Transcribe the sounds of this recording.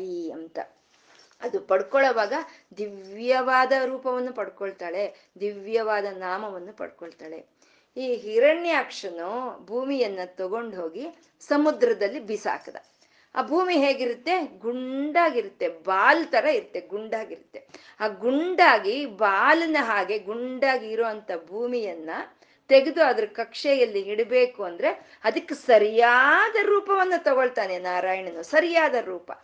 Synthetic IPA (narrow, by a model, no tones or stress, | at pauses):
iɐnt̪ɐ̰ | ɐd̪upɐɽkɔɭɐʋaːɡɐd̪iʋʋjɐʋaːd̪ɐɾuːpɐʋɐnːupɐɽkɔɭt̪aːɭe̞ | d̪iʋjɐʋaːd̪ɐnaːmɐʋɐnːupɐ̰ɽkɔɭt̪aːɭe̞̰ | iːɦiɾɐɳjaːkʂɐnubʱuːmijɐnːɐt̪ɔɡo̞ɳɖɦo̞ːɡi | sɐmud̪ɾɐd̪ɐlːibisa̰ːkɐd̪ɐ̰ | a̰ːbʱuːmiɦe̞ːɡiɾut̪ːe̞ɡuɳɖaːɡiɾut̪ːe̞baːlt̪ɐɾɐiɾut̪ːe̞ɡuɳɖaːɡiɾut̪ːe̞aːɡuɳɖaːɡibaːlɐnɐɦaːɡe̞ɡuɳɖaːɡiːɾoːʋɐnt̪ʰɐbʱuːmijɐnːɐ | t̪eɡed̪uɐd̪ɐɾukɐkʂɛjɐlːiiɽbeːkuɐnd̪ɐɾe̞ | ɐd̪ɐkːesɐɾijaːd̪ɐɾuːpɐʋɐnːɐt̪ɔɡoɭt̪aːnenaːɾaːjɐɳɐnuːsɐɾijaːd̪ɐɾuːpɐ̰